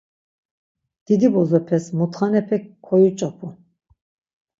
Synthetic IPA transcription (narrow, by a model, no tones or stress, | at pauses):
d̪̥id̪ibɔzɔpʰɛsmut̪χanɛpʰɛkkʰːɔjut͡ʃʼɔpʰu